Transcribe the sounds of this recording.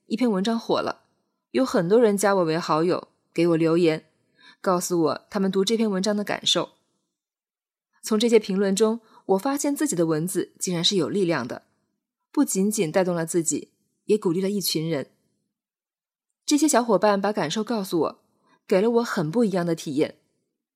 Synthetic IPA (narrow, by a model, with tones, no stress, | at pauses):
i˥˩pʰjɛ˥˩nwə˧˥nʈ͡ʂɑ˥ŋxwɔ̰˨˩lʔə̰˦ | jo˧˥ʊxə˨˩nt̪wɔ˥ɻə˧˥nt͡ɕja˥wɔ˨˩we˧˥xɑ˧˥ʊjo˨˩˦ʊ | ke˧˥ɪwɔ˨˩ljo˧˥ʊjɛ˧˥n | kɑ˥˩ʊsu˨˩wɔ̰˨˩t̪ʰa˥mə˨nt̪̬u˧˥ʈ͡ʂɤ˥˩pʰjɛ˥˩nwə˧˥nʈ͡ʂɑ˥ŋd̪ə˨ka̰˨˩nʂo˥˩ʊ | t͡sʰʊ˧˥ŋʈ͡ʂɤ˥˩ɕjɛ˥pʰi˧˥ŋlwə˥˩nʈ͡ʂʊ˥ŋ | wɔ˨˩fa˥ɕjɛ˥˧nt͡sɹ̩˥˩t͡ɕi˨˩d̪ə˦wə˧˥nd͡zɹ̩˧˨t͡ɕi˥ŋɻa˧˥nʂɻ̩˥˩jo˨˩li˥˧ljɑ˥˩ŋd̪ə̰˩ | pu˥˩t͡ɕi˧˥nt͡ɕi˨˩nt̪a˥˧ɪt̪ʊ˥˩ŋlə˩t͡sɹ̩˥˩t͡ɕḭ˨˩˦ | jɛ˧˥ku˨˩li˥˩lə˩i˥˩t͡ɕʰy˧˥nɻə˧˥n | ʈ͡ʂɤ˥˩ɕ̬jɛ˥ɕjɑ˧˥ʊxwɔ˨˩pa˥˩npa˧˥ka˨˩nʂo˥˧ʊkɑ˥˩ʊsu˩wɔ̰˨˩˦ | ke˨˩ɪlə˦wɔ˧˥xə˨˩npu˥˩i˧˥jɑ˥˩ŋd̪ə˩t̪ʰi˨˩jɛ̰˥˩n